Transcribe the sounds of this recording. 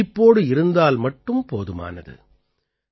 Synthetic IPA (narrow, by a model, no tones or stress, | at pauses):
ɪpːoːɽɯɪɾɯnd̪aːlmɐʈːɯmpoːðɯma̰ːnɐ̰ðɯ̰